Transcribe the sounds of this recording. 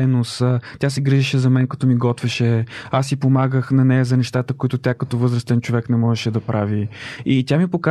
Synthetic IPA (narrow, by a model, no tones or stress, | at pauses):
nost̪ʲjasɛɡɾiʒɛʃɛzɐmɛnkɐt̪ɔmiɡɔt̪vɛʃɛasipomaɡəxnɐnɛjɐzɐnɛʃt̪at̪əkoit̪ʊt̪ʲakɐt̪ɔvɤzɾəst̪ɛnt͡ʃovɛknɛmɔʒɛʃɛd̪ɐpɾʔaviit̪ʲjamipoka